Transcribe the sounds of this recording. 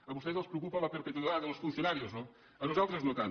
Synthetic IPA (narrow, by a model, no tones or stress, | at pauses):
ɐβust̪ezelˠspɾeukupɐ̃lɐpeɾpet̪uðiðaðɐlsfũnsjunaɾiuznõ | ɐnuzalˠt̪ɾuznot̪an